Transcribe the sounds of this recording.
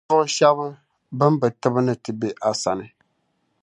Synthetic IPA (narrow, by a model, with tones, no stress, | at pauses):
ʊ˦ʊ˦ʃa˦bɨ˦ | ba˦mba˨tɨ˦bɨ˦nɨ˦tɨ˨be˦ʔa˨sa˨nɨ˨